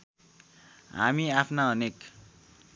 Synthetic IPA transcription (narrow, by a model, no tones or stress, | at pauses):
ɦa̰miapʰnaʌnek